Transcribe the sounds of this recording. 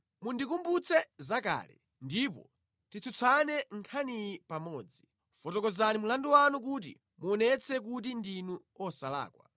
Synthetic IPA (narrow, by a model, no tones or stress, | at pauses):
mundik̬umbut͡sɛzaka̰ːlɛ̰ | ndip̬ɔ̰ | tit͡sʰut͡sʰanɛŋkʰanijpamɔːd͡zi | fɔtɔkɔzanimulanduwanuk̬ut̬ḭ | muɔnɛt͡sʰɛk̬ut̬indinu | ɔsala̰ːkwa̰